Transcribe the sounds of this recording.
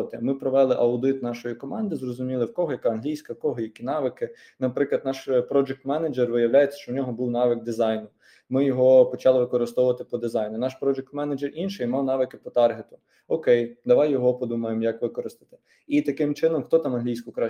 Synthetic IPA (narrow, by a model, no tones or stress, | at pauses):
t̪emɪpɾɔʋɛlˠɪʔɐwd̪ɪt̪nɑʃɔjikɔmɑnd̪ɪzrɔzʊmʲilˠɪwkɔɦɔjɐkɑɐnɦlʲijsʲkɐwkɔɦɔjɐkʲinɑʋɪkɪ | nɐpɾɪklˠɐd̪nɑʃpɾɔd͡ʒɛk̚t̪mɛnɐd͡ʒerʋɪjɐwlʲajet͡sʲːɐ̥ʃt͡ʃɔwnʲɔɦɔbuwnɑʋɪk̚d̪ɪzɑjnʊ | mɪjɔɦɔpɔt͡ʃɑlˠɪʋɪkɔɾɪst̪ɔwʊʋɐt̪ɪpɔd̪ɪzɑjnʊnɑʃpɾɔd͡ʒɛk̚t̪mɛnɐd͡ʒɛrinʃɛimɑwn̪ɑʋɪkɪpɔt̪ɑrɦet̪ʊ̥ | ɔkɛjd̪ɐʋɑjːɔɦɔpɔd̪umɐjemjɐkʋɪkɔɾɪst̪ɐ̥t̪ɪ̥ | it̪ɐkɪmt͡ʃɪnɔmxt̪ɔt̪ɑmɐnɦlʲijsʲkʊkɾɑ